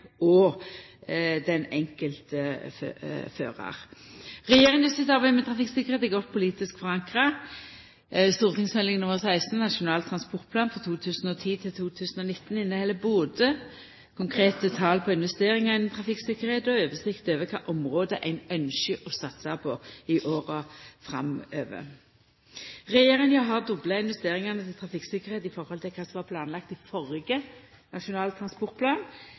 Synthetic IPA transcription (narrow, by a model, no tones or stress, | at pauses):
ɔ | d̪ɛnɛŋkəlt̪əføfø̰ːʁɑ̰ʁʁɛjeːʁɪŋəsɪt̪ɑʁbæɪmɛt̪ʰʁɑfɪksɪkːəʁheːt̪ɛɡɔt̪̚ːpʰʊliːt̪ɪskfɔʁɑŋkʁə | st̪uːʁt̪ʰɪŋsmɛlɪŋnʊməʁsæɪst̪n̩nɑʂʊnɑːlt̪ʰɾɑnspɔʁt̪̚pʰlɑːnfʁɑt̪ʰuːt̪ʰʉːsn̩ɔt̪ʰiːt̪ʰɪlt̪ʰuːt̪ʰʉːsn̩ɔnɪt̪ːn̩ɪnːəhɛlːəbʊd̪ə | kʰʊŋkʰʁeːt̪ət̪ʰɑːlpʰɔɪnʋɛst̪eːʁɪŋɑɪnm̩t̪ʰɾɑfɪksɪkːəʁheːt̪ɔøːʋəsɪkt̪øːʋəkʰɑ̰ːʔɔmʁoːd̪əʔæɪnœnʃəʔɔsɑt̪sɑpʰɔɪʔoːʁɑfʁɑ̰møːʋə̰ | ʁɛjeːʁənjɑɦɑʁd̪ʊblɑɪnʋɛst̪eːʁɪŋɑnət̪ʰɪlt̪ʰʁɑfɪksɪkːəʁheːt̪ɪfɔɾhɔlt̪ʰɪlkʰɑːsɔmʋɑpʰlɑːnlɑk̚t̪ɪfɔɾɡə | nɑʂʊnɑːlt̪ʰɾɑnspɔʁt̪̚pʰlɑːn